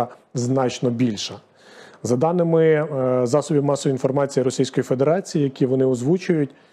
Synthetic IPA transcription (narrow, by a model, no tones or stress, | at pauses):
znɑt͡ʃnɔbʲilʲʃɐ | zɐd̪ɑnɪmɪzɑsɔbʲimɑsɔbʲinfɔrmɑt͡sʲijiɾɔsʲijsʲkɔjifed̪eɾɑt͡sʲijijɐkʲiʋɔnɪɔzʋut͡ʃʊjʊtʲ